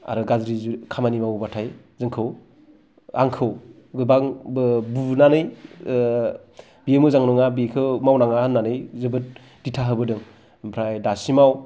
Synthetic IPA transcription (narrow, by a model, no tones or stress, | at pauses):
a̰ɾɯɡazɾizukʰamanimawbatʰaj | zɯŋkʰɯw | a̰ŋkʰɯw | ɡɯbaŋbɯbunanɯj | biemɯzaŋnɔŋabikʰɯmawnaŋahɯnːanɯjzɯbɯt̚ | d̥itʰaɦɯbɯdɯŋ | mpʰɾajdasimaw